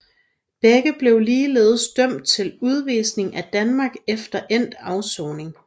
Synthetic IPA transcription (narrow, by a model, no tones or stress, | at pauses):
b̥eɡ̥əb̥le̝ʊliːlḛːð̞ˠsd̥œm̰d̥̚t͡sʰe̝luð̞ˠʋiːsne̝ŋæd̥ænmɑ̈ɡ̥efd̥ɐʔen̰d̥ɑ̈ʊsɔʊne̝ŋ